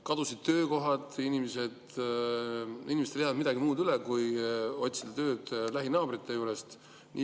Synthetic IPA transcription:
kɑd̪̥usid̪̥̚t̪ø̞ːko̞ɦɑd̪inimese̞d̪ | inimest̪eljɑvɑd̪mid̪ɑɡimuːd̪ylekujo̞t̪ʲsid̪̥ɑt̪ø̞ːd̪̥læɦinɑːb̥rit̪ːˑe̞juːɾe̞st̪ | nʔḭ

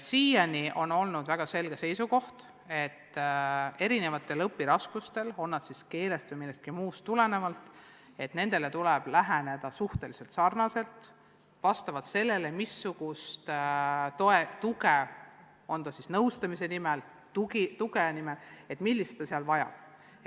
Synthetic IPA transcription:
siːjɑniʔo̞no̞lnud̪væɡ̥ɑse̞lɡ̥e̞se̞jsuko̞ht̪ | e̞t̪ː | e̞ɾine̞vɑt̪ːˑe̞lɤpːiɾɑskust̪e̞lo̞nːɑd̪siske̞ːlest̪əjmilːest̪kimuːst̪ːule̞ne̞vɑlt̪ˑ | e̞t̪ne̞nd̪̥e̞le̞t̪ulɛb̥læɦæne̞d̪̥ɑsuht̪e̞lise̞lt̪sɑrnɑse̞lt̪ | vɑst̪ɑvɑd̪se̞lːe̞le̞misːuɡ̥ust̪t̪oet̪uɡe | o̞nt̪ɑsisnɤwst̪ɑmise̞nimɛl | t̪uɡit̪uɡenimele̞t̪milːist̪ːɑseɑlvɑjɑ̰b̥̚

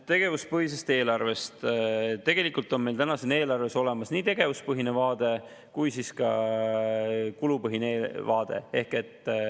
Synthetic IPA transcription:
t̪e̞ɡ̥e̞vuspɤɦis̬est̪e̞ːlɑrve̞st̪t̪e̞ɡ̥e̞likult̪ːˑo̞nme̞jlt̪ænɑsene̞ːlɑrve̞so̞le̞mɑsniːt̪e̞ɡ̥e̞vuspɤɦine̞vɑːd̪̥e̞ | kujsiskɑ | kulupɤɦineevɑːd̪̥e̞̰e̞hke̞t̪ːˑ

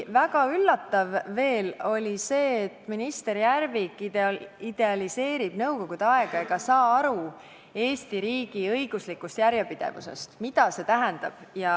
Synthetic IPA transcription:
væɡ̥ɑylːɑt̪ːˑɑvːe̞ːlo̞lʲise̞ːt̪ːminist̪e̞ɾjærvikːˑiid̪̥e̞ɑlise̞ːɾib̥nɤwko̞ɡ̥ud̪̥eɑe̞ɡ̥ɑe̞ɡ̥ɑsɑːɑɾu | e̞ːst̪iɾiːɡ̥iɤjɡ̥uslikːˑust̪jæɾjepid̪̥e̞̰vṵse̞̰st̪mid̪̥ɑse̞t̪æɦænd̪̥ɑb̥jɑ

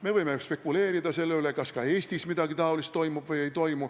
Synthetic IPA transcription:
me̞vɤjmespe̞kːule̞ːɾid̪ɑse̞lːeyle̞kɑskɑe̞ːsʲt̪ismid̪̥ɑɡit̪ɑolist̪ːo̞jmub̥vɯje̞jt̪o̞jmu

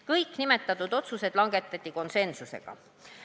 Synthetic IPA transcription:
kɤjkːˑnime̞t̪ːˑɑt̪ːˑud̪o̞t̪suse̞d̪̥lɑŋɡ̥e̞t̪ːˑɑt̪ʲːˑiko̞nse̞nsuse̞̰ɡ̥ɑ̰

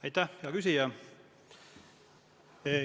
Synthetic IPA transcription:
ɑjt̪ːæhjɑkysijɑ

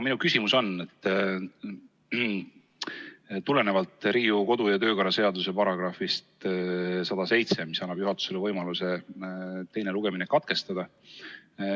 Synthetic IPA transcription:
minukysʲimuso̞net̪ːˑ | t̪ule̞ne̞vɑlt̪ːˑɾiːuko̞d̪ujɑt̪ø̞ːkɑɾɑse̞ɑd̪use̞pɑɾɑɡ̥rɑfist̪ | sɑd̪̥ɑse̞jt̪se̞misɑnːɑb̥juɦɑt̪ːˑu̥se̞levɤjmɑluse̞ | t̪e̞jne̞luɡ̥e̞minekɑt̪̚ke̞st̪ɑd̪̥ɑ

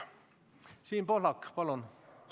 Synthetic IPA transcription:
siːnpoɦlɑkːpɑlun

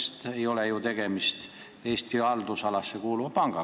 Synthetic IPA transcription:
st̪e̞jo̞lejut̪e̞ɡ̥e̞mist̪ | e̞ːst̪iɑld̪usɑlɑsːekuːluvɑpɑŋɡ̥ɑ

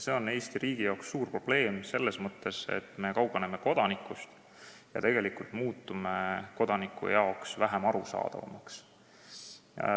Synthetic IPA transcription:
se̞ːo̞ne̞ːst̪iɾiːɡijɑwksːuːrpro̞b̥le̞ːmse̞lːesmɤt̪ːe̞se̞̰t̪me̞kɑwbɑnemeko̞d̪̥ɑnikːˑust̪ | jɑ̰t̪e̞ɡ̥e̞likult̪muːt̪ːˑumeko̞d̪ɑnikʰːˑṵjɑo̞ksvæɦemɑɾusɑ̰ːd̪̥ɑ̰vɑ̰mɑks

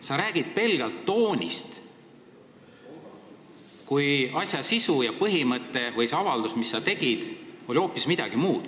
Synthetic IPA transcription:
sɑɾæːɡ̥id̪̥̚pe̞lɡ̥ɑlt̪ːo̞ːnʲḭst̪ | kujɑsʲjɑsisujɑpɤɦimɤt̪ːˑe̞vɤjseɑvɑld̪usmisːɑt̪e̞ɡ̥id̪̥o̞lʲio̞ːpːismid̪̥ɑɡ̥imuːd̪̥

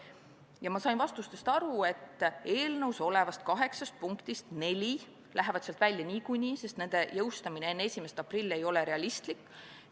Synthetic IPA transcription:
jɑmɑsɑjnvɑst̪ust̪e̞st̪ɑɾue̞t̪ːˑe̞ːlnɤwso̞le̞vɑst̪̚kɑɦe̞ksɑst̪̚puŋkt̪ist̪ne̞lʲi | lʔæɦe̞vɑt̪seɑlt̪vælʲjɑnʲiːkujnʲiːse̞st̪ne̞nd̪̥e̞jɤwst̪ɑminee̞nːesʲime̞st̪ɑprilʲːe̞jo̞le̞ɾe̞ɑlʲist̪likːˑ

